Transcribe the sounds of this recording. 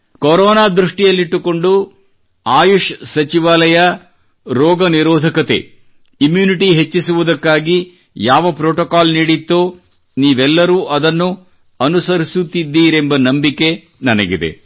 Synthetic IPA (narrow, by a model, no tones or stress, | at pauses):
koɾɔːnaːd̪ɾuʂʈijɐlːiʈːuko̞ɳɖu | aːjuʂsɐt͡ʃiʋaːlɐjɐ | ɾɔːɡɐniɾɔːd̪ʱɐkɐt̪e̞̰ | imjuːniʈiɦe̞t͡ʃːisuʋud̪ɐkːaːɡi | jaːʋɐpɾoːʈɔkaːlniːɽit̪ːoː | niːʋɛlːɐɾuːʔɐd̪ɐnːu | ɐnusɐɾisut̪id̪ːiːɾe̞mbɐnɐmbikːe̞ | nɐnɐɡḭd̪e̞̰